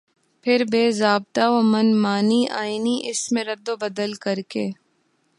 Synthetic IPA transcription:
pʰɪɾbeːzaːb̚t̪aoːmɐnmaːniʔaːiniʔɪsmẽɾɐd̪obɐd̪əlkɐɾkeː

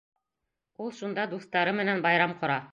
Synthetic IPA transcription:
ulˠʃund̪ɑd̪ust̪ɑɾɤmɘ̆nænbɑjɾɑmqŏɾɑ

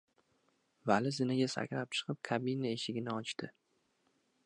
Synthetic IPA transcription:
valɪzɪnaɡʲasa̰kʲlap̚t͡ʃʰɨ̥qʰɨp̚kʰabinaeʃɪɡʲɪnɪɒt͡ʃt̪ʰɪ

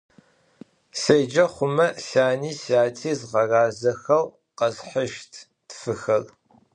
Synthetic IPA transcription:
sejd͡ʒɐχʷʊmɐsaːniːsaːtʰiːzʁɐraːzɐxɐl | qɐzħəʃtʰ | tfɨxɐr

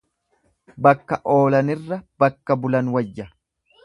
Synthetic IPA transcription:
bɐkːɐʔo̞ːlɐnɪrːɐb̥ɐkːɐbʊlɐnwɐjːɐ

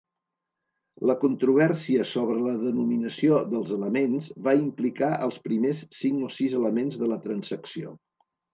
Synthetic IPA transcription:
ləkunt̪ɾuβ̞ɛrsiəsoβ̞ɾələðənuminəsioðəlˠzələmenzβaimplikaʔəlˠspɾimesːiŋkosizələmenzðələt̪ɾənzəksio̰

